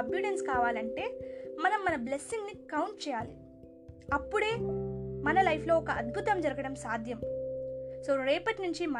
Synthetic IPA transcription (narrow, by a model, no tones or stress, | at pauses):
ɐbluɽenskaːʋaːlɐɳʈe̞ːmɐnɐmːɐnɐblesːiŋɡnikɐwɳʈ̚t͡ʃɛːjaːlḭ | ɐpːuɽe̞ːmɐnɐlɐjpʰlo̞ːɔkɐɐd̪̚bʱut̪ɐmd͡ʒɐɾɐɡɐɽɐmsaːd̪ʱjɐm | soːɾeːpɐʈnuɲt͡ʃimɐ